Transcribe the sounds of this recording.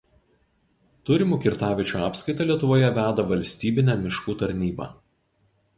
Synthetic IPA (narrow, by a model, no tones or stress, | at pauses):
t̪ʊɾʲɪmuːkʲɪɾt̪ɑːʋʲɪt͡ʃʲuɑːpsʲkɐɪt̪ɐlʲiɛt̪ʊʋoːjɛʋʲæːd̪ɐʋɐlʲsʲt̪ʲiːbʲɪnʲæmʲɪʃkuːt̪ɐɾʲnʲiːbɑ̰ː